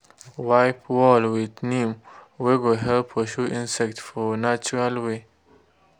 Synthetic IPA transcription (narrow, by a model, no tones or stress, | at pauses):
wajpʰwɔlwɪd̪nĩmweɡoɦɛlpʰoʃuʔĩnsɛktfɔnat͡ʃuɾalwe